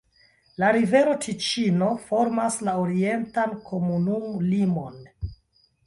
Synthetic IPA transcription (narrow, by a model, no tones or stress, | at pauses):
laɾive̞ɾo̞tʰit͡ʃino̞fo̞ɾmaslaoɾie̞ntankʰo̞munumlimo̞n